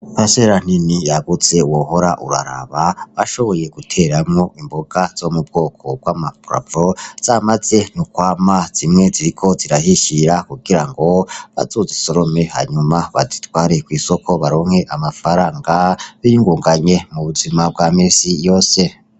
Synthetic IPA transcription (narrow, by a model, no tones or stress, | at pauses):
paseɾan̥inijaɡut͡se̞uwoho̞ɾaʔṵɾa̰ɾa̰βaβaʃo̞βo̞jeɡ̥utʰe̞ɾamŋo̞ʔimboɡ̥az̥o̞mub̚ɡo̞ːkʰo̞b̚ɡwaːmapɾa̰boz̥amaz̥e̞nukwaːmaz̥imŋe̞ziɾikʰo̞ziɾaɦiʃiɾakuɡiɾaŋɡo̞βa̰zuziso̞ɾo̞me̞ha̰ɲumaβa̰zi̥twaːɾe̞kwiːsokʰo̞βaɾo̞ːŋhe̞ʔamafaɾaːŋɡaβijuŋɡuːŋɡaɲe̞muβuzimab̚ɡwamisijo̞ːse̞